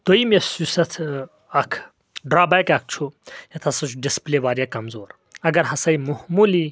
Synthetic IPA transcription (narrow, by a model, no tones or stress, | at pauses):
d̪̥ojmesusɐt̪ʰ | ɐkʰ | ɖɾaːbajkɐk̚ʰt͡ʃʰujɐt̪ʰɐsɐt͡ʃʰuɖispleʋaːɾjakɐmzoːɾ | ɐɡɐɾɦɐsɐjmuhmuli